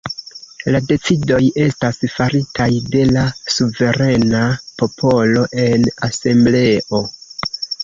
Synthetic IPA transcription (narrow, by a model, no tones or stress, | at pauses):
lade̞t͡sido̞je̞stasfaɾitʰajde̞lasuve̞ɾe̞napo̞pʰo̞lo̞ʔe̞nase̞mble̞ʔo̞